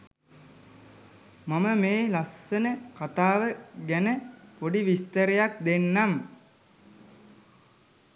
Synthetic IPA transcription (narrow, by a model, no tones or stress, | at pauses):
maməmeːlasːənəkat̪aːʋəɡænəpoɖiʋist̪əɾejak̚d̪enːam